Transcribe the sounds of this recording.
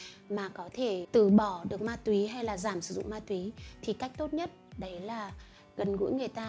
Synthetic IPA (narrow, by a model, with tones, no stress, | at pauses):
maː˨˩kɔ˨˦t̪ʰe˧˩t̪ɨ˧˩ɓɔ˧˩ɗɨ˨˩ək̚maː˧t̪wi˨˦ɦa˧jlaː˨˩zaː˧˩msɨ̥˧˩zʊ̰˧˨ŋ͡mmaː˧t̪wi˨˦t̪ʰi˨˩ka˦˥jk̟̚t̪o˦˥t̚ɲə˦˥t̚ɗə˨˦jlaː˨˩ | ɣə˨˩nɣṵ˧˥jŋɨ˨˩əjt̪aː˧